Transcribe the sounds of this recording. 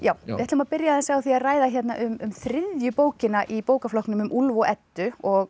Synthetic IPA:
jaːwɪ̰ɛt̪lʏmaðpɪɾjaðɛnsawθiaðraːjðaçjɛt̪naʔʏmʏmθɾɪðjʏpoːwcɪnaʔipoːwkaflɔknʏmʏmʔulvoʔɛt̪ːʏɔɣ

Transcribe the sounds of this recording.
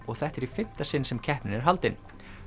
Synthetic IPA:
ɔɣθɛht̪ɛɾifɪm̥t̪asɪnːsɛmcʰɛhpnɪnɛɾ̥ɦalt̪ɪn

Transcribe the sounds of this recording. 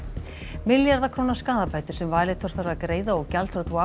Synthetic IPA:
mɪljaɾðakʰɾoːwnaskaːðapaːjt̪ɪɾ̥sɛmvaːjlɪt̪ʰɔɾ̥θaɾakɾeːjðaɔɣcalt̪ʰɾɔt̪vwa

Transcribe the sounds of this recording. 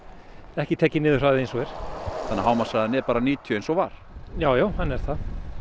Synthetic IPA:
ɛhcɪt̪ʰɛːcɪnɪːðʏɾ̥aðɪejnsɔɛɾ̥θanːaɦaːwmasaðanɛɾpaːɾaniːt̪ʰjœensɔvaɾ̥jaːwjaːwhanːɛɾ̥θa

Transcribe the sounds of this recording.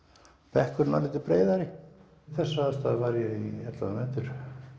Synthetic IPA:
pɛhkʏɾna̰lɪːt̪ɪpɾeːjðaɾɪ | θɛsːaast̪aðvaɾjɛiɛt̪la̰amɛːt̪ʏɾ̥

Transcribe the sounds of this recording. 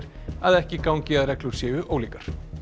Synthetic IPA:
ɾ̥ | aðɛhcɪkawɲcɪaðɾɛkluɾ̥sjɛːʏʔoːwliːkaɾ̥

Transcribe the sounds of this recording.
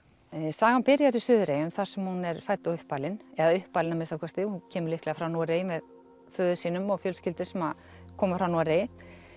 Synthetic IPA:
saːɣanpɪɾjaɾɪ̥sʏːðɾeːjʏmθaɾ̥sɛmhunɛɾfajt̪aʏhpalɪnɛðaʏhpːaːlɪnamɪsakʰɔst̪ɪhucʰɛːmʏɾlihklɛɣafɾawnuaɾejmɛð | fœːðʏ̥siːnʏmɔɣfjœlscɪlt̪ɪ̥sɛmað | kʰɔːmafɾawnuaɾejɪ

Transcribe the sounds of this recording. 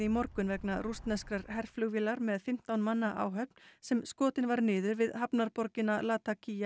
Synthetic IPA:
imɔɾkʏnvɛknarust̪nɛskɾaɾhɛr̥flʏɣviːlaɾmɛðfɪm̥t̪awnmanːaʔa̰ːwɦœpn̥sɛmskɔːt̪ɪnvaɾnɪːðʏɾvɪðɦapnaɾpɔɾcɪnalaːt̪acʰija

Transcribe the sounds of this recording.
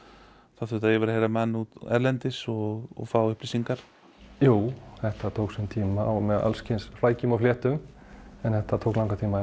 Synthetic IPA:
θaθʏt̪ajɛvɛɾahejɾamɛnːut̪ɛ̰ɾlɛnt̪ɪsɔɣɔ̰ɣfaːwʏhplisiŋkaɾ̥ | juːwθɛht̪at̪ʰoːwksɛnt̪ʰiːmaamɛða̰lscʰɪnsflaːjcʏmawflɛːht̪ʏm | ɛnθɛht̪at̪ʰowklãwŋkat̪ʰiːma

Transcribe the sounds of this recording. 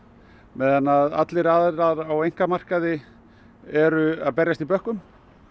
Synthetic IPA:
mɛːðanːaða̰t̪lɪɾaðɾaðɾawejŋ̥kamar̥kaðɪ | ɛɾʏaðpɛɾjast̪ipœhkʏm

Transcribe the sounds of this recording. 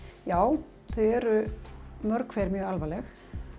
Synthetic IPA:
jaːw | θœðɛɾʏmœɾkʰfɛːɾmjœːɣalvaːlɛx

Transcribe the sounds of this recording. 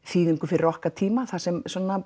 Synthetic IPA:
θiːðʏŋkʏfɪɾrɔhkat̪ʰiːmaθasɛmsɔːna

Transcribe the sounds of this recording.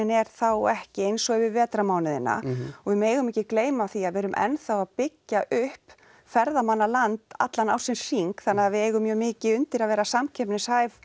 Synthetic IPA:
nɛɾ̥θawɛhcɪejnsɔɛvɪvɛːt̪ɾamaːwnɪðɪ̰nːa̰ɔɣvɪmeːjɣʏmɪːcɪkleːjmaθiaðvɛːɾʏmʔɛ̰nθawaðpɪcːaʔʏhp | fɛɾðamanːalant̪a̰t̪lanaw̥sɛmsiŋkθanːaavɪeːjɣʏmjœːmɪːcɪʏnt̪ɪɾaðvɛːɾasamcʰɛpnɪshaːjv

